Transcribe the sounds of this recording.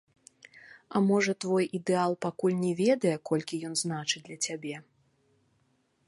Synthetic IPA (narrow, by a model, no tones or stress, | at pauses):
ɐmɔʐɐt̪vɔjʔid̪ɛalˠpakulʲnʲɛvʲɛd̪ɐjɛkɔlʲkʲijɔnznat͡ʂɨdlʲɐt͡sʲabʲɛ